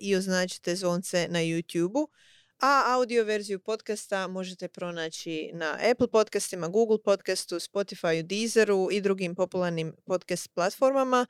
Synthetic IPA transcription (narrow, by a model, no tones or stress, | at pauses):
io̞znaːt͡ɕi̥t̪e̞zʋo̞ːnt̪se̞najuːt̪juːbu | aawd̪io̞ʋe̞ɾzijupo̞t̪kast̪amo̞ʒet̪e̞pɾo̞naːt͡ɕina̰ʔepl̩ˠpo̞t̪kast̪imaɡuːɡl̩ˠpo̞t̪kast̪uspo̞t̪ifajud̪iːzeɾuid̪ɾuɡimpo̞pulˠaɾnimpo̞d̪kast̪̚plˠat̪fo̞ɾmama